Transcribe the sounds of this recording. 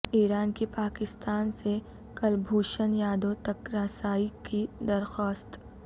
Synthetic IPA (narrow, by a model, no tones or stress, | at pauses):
iːɾaːnkipaːkɪst̪aːnse | kɐlbʱuːʃənjaːd̪õt̪ɐkɾaːsaːikid̪ɐɾxaːst̪